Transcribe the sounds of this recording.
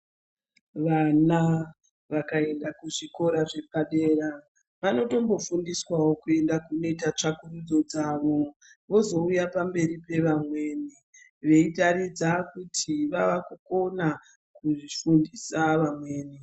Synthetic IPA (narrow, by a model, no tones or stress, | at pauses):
ʋana | ʋakae̞ndakuʐiko̞ɾaʐe̞paɗe̞ːra | ʋano̞to̞mbo̞fundiswawokue̞ndakune̞itat͡ʂakurud͡zo̞d͡zaʋo̞ | ʋo̞zo̞ujapambe̞ɾipe̞ʋamwe̞ːni | ʋe̞itaɾid͡zakutʰiʋaʋakuko̞na | kuʐifundisaʋamwe̞ːni